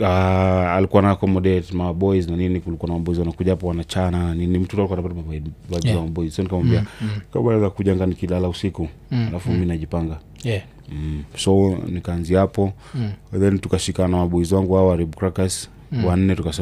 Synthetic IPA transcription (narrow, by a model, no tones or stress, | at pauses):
aalikuwanaakɔmɔɗɛtmaɓɔiznaninikulikuanamaɓɔizwanakuʄahapɔwanat͡ʃananinim̩tutalikuanapatapavaiwad͡ʒizamɓɔizsɔnikawambiakabaɛzakuʄaŋɡanikilalausikualafumiminaʄipaŋɡa | sɔnikanziapɔ | ðɛntukaʃikanamaɓɔizwaŋɡuhaɔwaɾiɓukɾakas | wan̩nɛtukasɛ